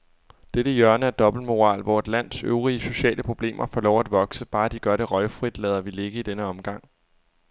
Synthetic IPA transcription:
d̥eɾ̥əjɶɐnəæɐd̥ɒ̽b̥l̩mo̝ʁɑ̰̈ːlʋɒ̰e̝d̥læn̰søʊʁiəso̝ɕɛ̰ːləpʰʁo̝b̥le̝̰ːmʔɐfɒːlɒʊ̰æd̥ʋɒ̽ɡ̥səb̥ɑ̈ːd̥iɡ̥ɶɐd̥ɾe̝ʁɒ̽ɪfʁid̥lɛːð̞ˠɐʋile̝ɡ̥əid̥enəɒ̽mɡ̥ɑ̈ŋ̰

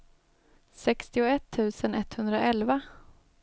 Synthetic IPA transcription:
sɛkst̪ɪʊɛt̪ʰːʉ̟ːsənɛt̪ːhɵnd̪ɾaʔɛlva

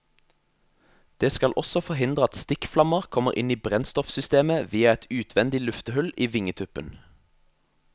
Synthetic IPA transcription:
d̪̥eːskɑlʔɔsɔfɔhɪnd̪ʁəɑt̪st̪ɪkflɑməʁkʰɔməʁʔɪ̰niːbʁɛnst̪ɔfsʏst̪eːməʋiːɑɛt̪ʰʉːt̪ʰʋɛnd̪ɪlʉft̪əhʉliːʋɪŋət̪ʰʉpə̰n

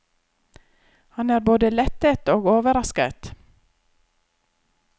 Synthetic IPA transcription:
hɑnæːɾboːd̪əlɛt̪ət̪oːɡoːʋəɾɑskə̰t̪

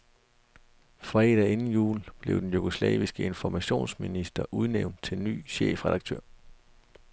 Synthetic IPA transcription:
fʁɛːd̥æe̝nn̩jṵːlb̥le̝ʊd̥enjuɡ̥oslɛ̰ːʋisɡ̥əe̝nfɒmæɕo̝̰ːnsminisd̥ɐʔuð̞ˠneʊ̰nd̥̚t͡sʰe̝lny̰ːɕḛːfʁɛð̥ɑ̈ɡ̥̚t͡sʰø̰ɐ̰

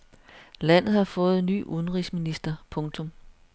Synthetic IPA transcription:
læn̰ð̩ˠhɑ̈fɔ̽ːð̞̩ˠny̰ːʔuðˠn̩ʁisminisd̥ɐpʰɔ̽ŋt͡sʰɔ̽m

